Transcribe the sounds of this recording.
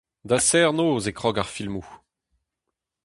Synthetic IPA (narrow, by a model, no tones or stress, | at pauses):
d̪asɛʁnoːzekʁɔɡaʁfilmu